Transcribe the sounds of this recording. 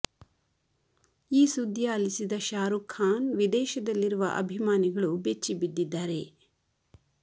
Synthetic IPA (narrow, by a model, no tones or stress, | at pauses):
iːsud̪ʱːjaːlisid̪ɐʃaːɾukʰːaːnʋid̪ɛːʃɐd̪ɐlːiɾuʋɐ̰ʔɐ̰bʱimaːniɡɐɭubet͡ʃːibid̪ːid̪ːaːɾe̞